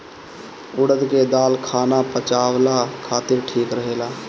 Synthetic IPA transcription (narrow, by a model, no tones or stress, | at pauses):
ʊɽəd̪ked̪aːlkʰaːnapət͡ʃaːwlakʰaːt̪ɪɾʈʰiːkɾəɦeːlaː